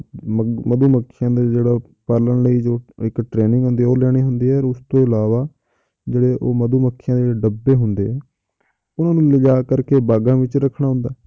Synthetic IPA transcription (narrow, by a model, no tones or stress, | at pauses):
məd̪uːməkʰːɪjãːd̪aːd͡ʒeːɽaː | pəɾləɳləiːd͡ʒoːɪkʈɾeːnɪ̃ŋɡɦʊ̃nd̪iːɛːoːlɛːɽ̃eːɦʊnd̪eːɛːɔɾʊst̪õːɪlaːʋaː | d͡ʒeːɽeːʔoːməd̪uːməkʰːɪjãːd̪eːɖəbːeːɦʊnd̪eːɦɛː | ʊnãːnũːləd͡ʒaːkəɾkeːbaːɡãːʋɪt͡ʃɾəkʰːɽ̃aːɦʊ̃nd̪aː